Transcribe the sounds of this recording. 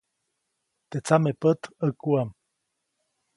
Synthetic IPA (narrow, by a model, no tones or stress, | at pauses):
t̪et͡samepət̪əkuam